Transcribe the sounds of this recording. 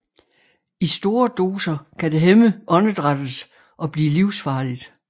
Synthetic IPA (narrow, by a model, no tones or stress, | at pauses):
isd̥o̝ːɐd̥o̝ːsɐkʰæde̝ɦeməʔɒ̽nəd̥ʁad̥əs | ʔɒ̽b̥liːliʊsfɑ̈ːlid̥